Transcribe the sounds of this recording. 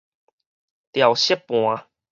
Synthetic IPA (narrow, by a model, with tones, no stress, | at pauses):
t̪ja˨˩wɕə˦˥pːw̃ã˨˧